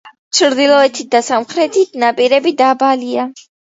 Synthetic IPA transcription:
t͡ʃʰɾd̪ilˠɔɛt̪ʰit̪̚d̪asamχɾɛt̪ʰit̪̚ʰnapʼiɾɛbid̪abalia

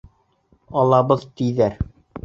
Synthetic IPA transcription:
ɒlˠɑbɤðt̪ijðæɾ

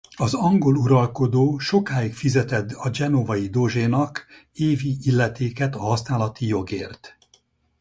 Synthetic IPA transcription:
ɒzɒŋɡo̞luɾɒlko̞d̪oːʃo̞kaːikfizɛt̪ɛd̪ɒd͡ʒɛno̞vɒjid̪o̞ʒeːnɒk | eːviilːɛt̪eːkɛt̪ɒɦɒsnaːlɒt̪ijo̞ɡeːrt̪

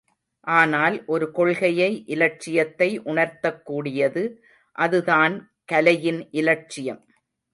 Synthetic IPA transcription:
ʔaːnaːlʔɔɾɯkɔɭɣɐjɐɪʔɪlɐʈ̚t͡ʃːɪjɐt̪ːɐɪʔʊɳɐɾt̪ɐkːuːɽɪjɐðɯ | ʔɐðɯðaːn | kɐlɐjɪnʔɪlɐt͡ʃːɪjɐm

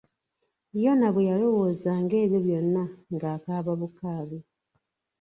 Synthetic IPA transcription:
βjo̞naβwejalo̞woːzaŋɡe̞ːβjo̞βjo̞nːaŋɡaːkaːβaβukaːβi

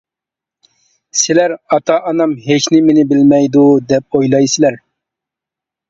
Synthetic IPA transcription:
sɪlæɾɑt̪ʰɑʔːnɑmɦet͡ʃnɪmɪnɪbɪlmɛjd̪ud̪ɛp̚ojlˠɑjsɪlæɾ

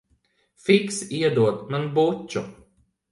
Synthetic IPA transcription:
fiksiɛd̪uɔt̪manbut͡ʃːu

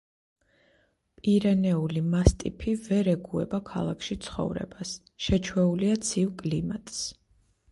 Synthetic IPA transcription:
pʼiɾɛnɛulimast̪ʼḭpʰivɛɾɛɡuɛbakʰa̰lˠakʰʃit̪sʰχɔ̰vɾɛ̰bas | ʃɛt͡ʃʰwɛuliat̪sʰivkʼlimat̪ʼs

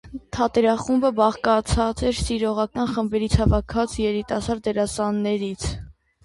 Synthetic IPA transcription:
t̪ʰɑt̪ɛɾɑχumbəbɑʁkɑt͡sʰɑt͡sɛɾsiɾɔʁɑkɑnχəmbɛɾit͡sʰhɑvɑkʰɑt͡sjɛɾit̪ɑsɑɾd̪ɛɾɑsɑnːɛɾit͡sʰ

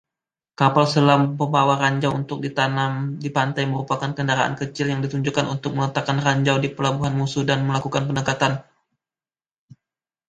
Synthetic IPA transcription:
kapalsəlampəmbawaɾaɲd͡ʒawunt̪ʊk̚dit̪anamdipant̪ajməɾupakankəndaɾaʔa̰nkət͡ʃɪljaŋdit̪uɲd͡ʒukanunt̪ʊk̚mələt̪akanraɲd͡ʒawdipəlabuɦanmusʊhdanməlakukanpənəkat̪an

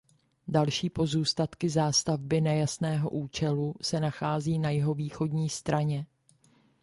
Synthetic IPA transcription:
dalʃiːpo̞zuːst̪at̪kɪzaːst̪avbɪnɛjasnɛːɦo̞̰ʔuːt͡ʃɛlusɛnaxaːziːnajɪɦo̞viːxo̞dɲiːst̪ɾaɲɛ

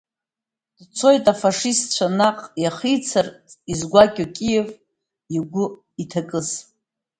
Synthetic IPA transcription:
d̥t͡sʰo̞jtʼafaʂistt͡ʃʷʰanaqʼjaχijt͡sʰarʼizɡʷakʲʼokʲʼijev | iɡʷʊ | itʰakʼɨz

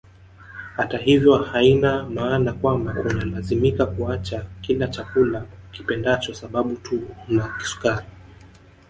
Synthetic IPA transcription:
hataɦivjɔhainamaːnakwambakunalazimikakuat͡ʃakilat͡ʃakulaki̥pɛndat͡ʃɔsaɓaɓutʰunaki̥su̥kaɾi

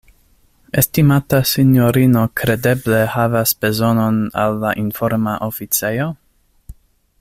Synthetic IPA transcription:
e̞stimatasinjoɾino̞kɾe̞de̞ble̞havasb̥e̞zo̞no̞na̰lːaʔinfo̞ɾmaʔofit͡sejo

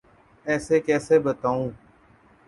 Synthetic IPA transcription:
ɛːseːkɛːseːbət̪aːũː

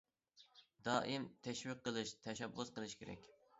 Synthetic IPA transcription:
d̪ɑːʔɨmt̪ʰɛʃwiqːəlˠɨʃt̪ʰɛʃɛbːʊsqəlˠɨʃkʲʰeɾɛ̰kʲ

